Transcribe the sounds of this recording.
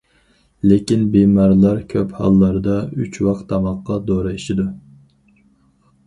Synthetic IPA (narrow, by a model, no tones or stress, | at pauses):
lekʲinbemɑɾlˠɑɾkʲʰøphɑ̰lˠːɑɾd̪ɑyt͡ʃʰwɑqt̪ʰːɑmɑqːɑd̪oɾɨiʃid̪u